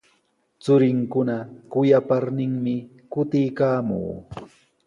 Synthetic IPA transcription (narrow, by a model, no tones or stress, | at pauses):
t͡sʊɾɪŋkʊnakʊjapaɾnɪŋmɪ | kʊt̪ɪjkaːmṵː